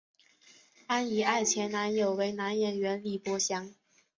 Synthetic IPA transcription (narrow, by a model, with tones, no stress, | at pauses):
a˥ni˨˩a˥˩ɪt͡ɕʰjɛ˧˥nna˧˥njo˨˩ʊwe˧˥ɪna˧˥njɛ˨˩nɥɛ˧˥nli˨˩pwɔ˧˥ɕjɑ˧˥ŋ